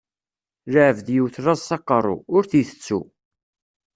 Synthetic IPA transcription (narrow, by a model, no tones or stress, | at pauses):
ɾaʕəvðjiwθɾˤɑzsɑqːɑrˤo̰ʊɾθiθə̥t͡sːṵ